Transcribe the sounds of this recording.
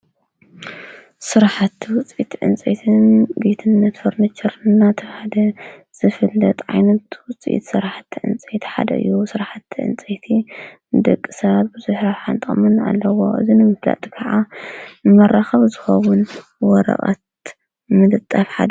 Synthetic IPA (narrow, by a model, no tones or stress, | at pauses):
sɨɾħat̪ʰwʊt͡sʼit̪ʰʕɨ̰nt͡sʼḛt̪ʰɨnbet̪ʰɨnːɐt̪foɾnit͡ʃʰɛɾnːat̪ʰɐħad̪ɐ | z̥ɨfɨlːɐt̪ʼʕa̰jnɐt̪wʊt͡sʼʔḭt̪sɨɾaħat̪ʰːiʕɨ̰nt͡sʼet̪ʰħa̰d̪ɐ̰ʔɨ̰jːusɨɾaħat̪ʰːiʕɨ̰nt͡sʼet̪ʰinɨd̪ɐkʼːisɐβat̪̚bɨzuħɾaħant̪ʼɐʔʼmɨna̰lːɐwo̞ʔɨ̰zinɨmɨfla̰t̪ʼi̥kʰɐʕanɨmɐrːaxɐβzɨxɐwunwɔɾɐ̰χʼɐ̰t̪ | mɨd̪ɨt̪ʼːafħad̪